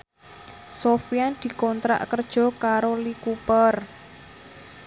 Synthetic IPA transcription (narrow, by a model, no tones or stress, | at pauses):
sofijand̪̥i̤kɔnt̪ɾa̰ʔkərd̥ʒ̥ɔ̤kaɾolikupər